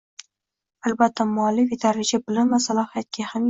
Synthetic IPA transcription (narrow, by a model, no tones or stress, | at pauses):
albat̪ʰːamalɪfit̪ʰaɾɪd͡ʒabɪlɪmvasalˠɒhijat̪̚ɡʲaham